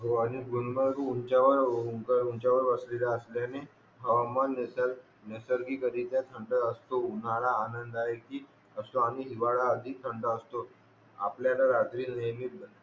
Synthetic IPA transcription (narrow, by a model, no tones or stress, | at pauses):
ɦoañiɡunməɾuuɲt͡ɕaʋəɾukəɾunt͡ɕaʋəɾʋəslelaəsljane | bʱəʋamənesəɾ | nesəɾkiːkəɾiːt̪jat̪ʰəɳɖəəst̪ounaɭaːnənd̪aɦekiː | əsoaniɦiʋaɭaːd̪ʱiːt̪ʰəɳɖəəst̪o | a̰pljanaɾat̪ɾiːnəmib